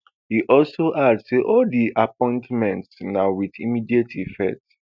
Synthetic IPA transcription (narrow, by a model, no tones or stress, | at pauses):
hiʔɔlsoʔadsseʔɔldiʔapɔ̃ɪ̃ntmɛ̃ntsnaʊwidimidietʰifɛ̰k̚t